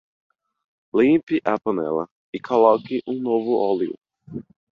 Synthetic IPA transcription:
lĩpɪʔɐpɐ̃nɛ̰lɐ̰ | ɪkʰolɔkɪʔũnovʊʔɔliʊ̰

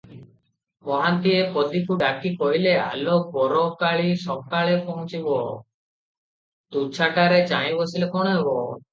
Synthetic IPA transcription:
mɔɦant̪iepɔd̪ʱikuɖakikɔɦilea̰lobɔɾokaɭisɔb̚kaɭepɔɦũt͡ʃibɔ | t̪ut͡ʃʰakaɾet͡ʃãĩbɔsilekɔɽ̃ɔɦebɔ

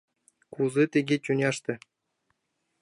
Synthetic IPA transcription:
kuzɘt̪ʲĕɡʲet͡ɕʲunʲɑʂt̪ʲɘ̆

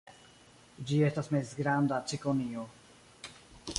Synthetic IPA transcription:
d͡ʒiestasmezɡɾand̪at͡ʃikonio

